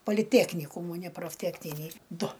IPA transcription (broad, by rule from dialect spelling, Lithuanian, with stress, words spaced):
poːlʲɪˈtʲæːknʲiːkuːmuː nʲɛ proːfʲˈtʲæːknʲɪnʲiː ˈdʊ